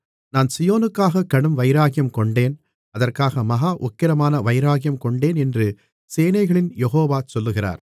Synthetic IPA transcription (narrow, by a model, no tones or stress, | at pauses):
naːnsɪjoːnɯkːaːɣɐkːɐɽɯmʋɐɪɾaːɣɪjɐmkɔɳɖeːn | ɐðɐrkaːɣɐmɐɣaːʔʊkːɪɾɐmaːnɐʋɐɪɾaːɣɪjɐmkɔɳɖeːnɛndrɯ | seːnɐɪɣɐɭɪnjɛɣoːʋaːsɔlːɯɣɪra̰ːɾ